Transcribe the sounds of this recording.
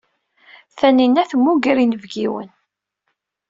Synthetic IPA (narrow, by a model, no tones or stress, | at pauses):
θæninæθəmːuɡəɾinəvɡiwə̰n